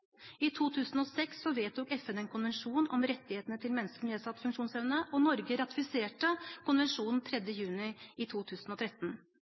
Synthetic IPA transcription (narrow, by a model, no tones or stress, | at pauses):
it̪ʰuːt̪ʰʉːsn̩ɔsɛksːɔʋeːt̪̚ʊːkɛfɛnɛnkʰʊnʋɛnʂuːnɔmɾɛt̪ːɪheːt̪ənət̪ʰɪlmɛnːəskəneːsɑt̪ːfʉŋkʂuːnsɛʋnəʔɔnɔɾɡəɾɑt̪ɪfɪseːʈəkʰʊnʋɛnʂuːnn̩t̪ʰɾɛd̪jəjʉːnɪɪt̪ʰuːt̪ʰʉːsnɔt̪ʰɾɛt̪ːn̩